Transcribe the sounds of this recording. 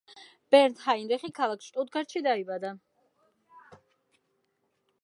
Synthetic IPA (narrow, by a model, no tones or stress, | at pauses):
b̥ɛɾt̪hainɾɛχikʰalˠakʃt̪ʼut̪̚ɡaɾt͡ʃʰid̪aibad̪a